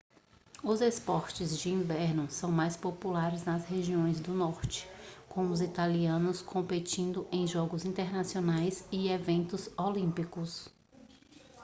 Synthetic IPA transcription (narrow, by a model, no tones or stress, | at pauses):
ʊzespɔɾt͡ʃɪzd͡ʒɪĩvɛɾnʊsɐ̃w̃majspopulaɾɪznɐzheʒiõj̃zd̪ʊnɔɾt͡ʃɪ̥kõʊzit̪aliɐ̃nʊskʰõmpet͡ʃĩnd̪ʊʔẽj̃ʒɔɡʊzĩnt̪eɾnasionajzɪevẽnt̪ʊzolĩpikʊs